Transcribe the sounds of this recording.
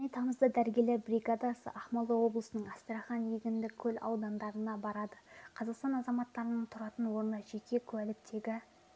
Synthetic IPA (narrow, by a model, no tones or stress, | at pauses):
ʒnejt̪ʰɑməzd̪əd̪æɾɡʲe̞le̞ɾbriɡad̪ɑsə̰ʔɑχmɑlˠəwo̞blˠəsənəɴɑst̪əɾɑχɑnjeɡʲɪnd̪ɪkʲʰɵlɑ̰wd̪ɑnd̪ɑɾənɑbɑɾɑd̪əqʰɑzɑqst̪ɑnɑzɑmɑt̪ːɑɾənəɴt̪ʰʊɾɑt̪ənwo̞ɾənɑʒe̞kʲe̞kʲʰʉælɪk̚t̪e̞ɡʲɪ